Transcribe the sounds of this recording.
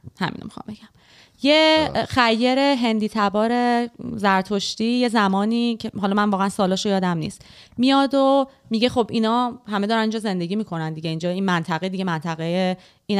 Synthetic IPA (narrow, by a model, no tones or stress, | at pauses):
hæ̰mḭnʔomixɒ̰mbe̞ɟ̥æm | jexæjːe̞ɾe̞ɦe̞nd̪iːt̪ʰæbɒːɾe̞zæɾt̪ʰoʃt̪ije̞zæmɒːniːcʰeɦɒlɒmænvɒːɣeænsɒːlɒːʃojɒːd̪æmnḭːst̪ | mijɒːd̪omiɟe̞χobinɒːhæmed̪ɒːɾænind͡ʒɒːze̞nd̪e̞ɟʲiːmiːkʰo̞nænd̪iɟeiːnd͡ʒɒːinmænt̪ʰæɣed̪iɡemænt̪ʰæɣeje | iːn